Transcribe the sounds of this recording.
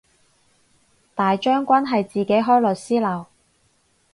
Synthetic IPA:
t̪aː˨jt͡ʃœː˥ŋkʷaː˥nɦɐ˨jt͡siː˨ke˨˥jɦɔː˥jlɵ˨˩siː˥lɐ˨˩w

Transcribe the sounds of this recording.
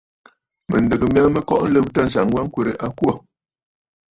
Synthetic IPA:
mə̰˨n˨də˨ɡə˨m˦a˦mə˦kɔ˦ʔn̩˦lə˦p̚ta˦˨n̩˨sa˨ŋ˦ɡwa˦ŋ˦kwe˨ɾe˨ʔa˦kwɔ˦˨

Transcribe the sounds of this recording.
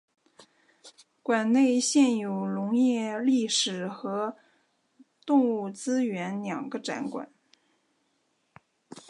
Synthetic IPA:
kwa˨˩nne˥˧ɪɕjɛ˥˩njo˨˩ʊlʊ˧˥ŋjɛ˥˩˧li˥˩ʂɻ̩˨˩xɤ˧˥ | t̪ʊ˥˧ŋu˥˩t͡sɹ̩˥ɥɛ˧˥nljɑ˨˩ŋɡə˦ʈ͡ʂa̰˧˥nkwa̰˨˩˦n

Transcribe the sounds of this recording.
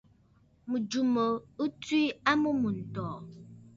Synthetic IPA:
mu˨d͡ʒu˨mə˨u˦twi˦a˦mu˦mu˨n̩˨tɔː˨

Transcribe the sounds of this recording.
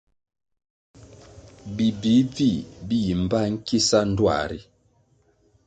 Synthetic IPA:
bi˨bi˨˦vi˦˨bi˦ji˨m˨ba˦˨ŋ̩˦ki˦sa˦n̩˦dwa̰˨ɾi˦

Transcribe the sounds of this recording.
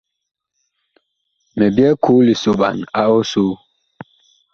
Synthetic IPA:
mɛ˨bjɛ˦kʰu˨˦li˨so˨ba̰˨na˦o˦su˦

